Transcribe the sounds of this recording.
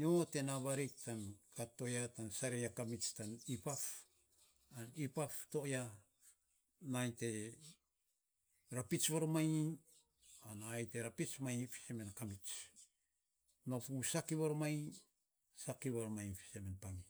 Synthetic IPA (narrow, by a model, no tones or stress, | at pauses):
iote̞naβaɾik̚tankato̞jatansaɾejakamit͡ʃtanipaf | anipaftoja | najte̞ | ɾapit͡ʃβaɾmaj | anaːjte̞ɾapit͡ʃmajfi̥semenkamit͡ʃ | nopusakiβoɾomaj | sakiβaɾomajfi̥semenpami